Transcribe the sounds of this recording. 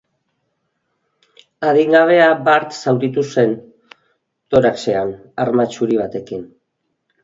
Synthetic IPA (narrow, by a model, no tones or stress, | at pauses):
aðiŋɡaβ̞e̞abaɾt̪sawd̪it̪use̞n | t̪o̞ɾakse̞an | aɾmat͡ʃuɾiβ̞at̪e̞kin